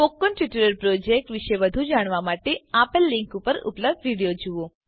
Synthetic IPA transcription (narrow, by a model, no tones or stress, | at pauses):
fokːonʈʋiʈəɾəɾpɾod͡ʒek̚ʈʋiʃeʋəd̪ʱũd͡ʒaɽ̃ʋamaʈeapəlːĩŋkupəɾṵpləbd̪ʋiɽijod͡ʒuʋõ